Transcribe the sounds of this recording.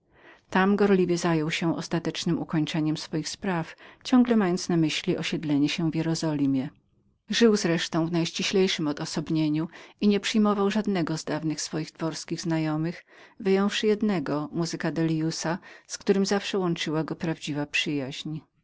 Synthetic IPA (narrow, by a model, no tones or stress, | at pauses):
t̪amɡɔɾlʲivʲjɛzajɔwɕɛʔɔ̰st̪at̪ɛt͡ʂnɘmukɔɲt͡ʂɛɲɛmsfɔjixspɾaft͡ɕɔ̃ŋɡlɛmʲajɔnt̪snamɘɕlʲiʔɔɕɛd̪lɛɲɛɕɛvjɛɾɔzɔlʲimʲjɛ | ʐɘwzɾɛʂt̪ɔ̃w̃vnajʂt͡ɕiɕlʲɛjʂɘmɔd̪ɔsɔbɲeɲuiɲɛpʂɘjmɔvawʐad̪nɛɡɔzd̪avnɘxsfɔjiɣt̪vɔɾskʲiɣznajɔmɘxvɘjɔ̃w̃fʂɘjɛd̪nɛɡɔmuzɘkad̪ɛlʲjusaskt̪uɾɘmzafʂɛwɔnt͡ʂɘwaɡɔpɾavd͡ʑivapʂɘjaʑɲ